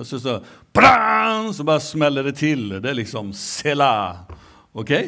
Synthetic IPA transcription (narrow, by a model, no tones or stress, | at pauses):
ɔsɔsɔb̥ɾansɔbɑːɾəsmɛlːəd̪ɛt̪ʰɪld̪ɛælɪksɔmsela | ɔkʰeɪ